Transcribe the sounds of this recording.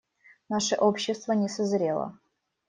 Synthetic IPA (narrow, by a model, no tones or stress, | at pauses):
naʂəʔopɕːɪst̪vənʲɪsəzɾʲelˠə̰